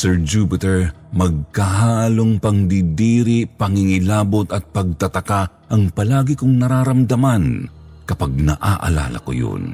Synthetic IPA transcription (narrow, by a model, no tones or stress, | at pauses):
sɛɹd͡ʒuːpɪt̪ɛɹ | mɐɡ̚kaɦaːloŋpɐŋd̪id̪iːɾɪpɐŋɪŋɪlaːbot̪ɐt̪̚pɐɡ̚t̪ɐt̪ɐka | ʔɐŋpɐlaːɡɪkʊŋnɐɾaːɾɐmd̪ɐman | kɐpaɡ̚nɐ̰ʔa̰ʔɐ̰la̰ːlɐ̰ko̰jo̰n